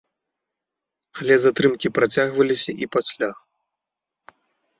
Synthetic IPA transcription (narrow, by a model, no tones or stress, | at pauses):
alʲɛzat̪ɾɨmkʲipɾat͡sʲaɣvɐlʲisʲɐʔipasʲlʲa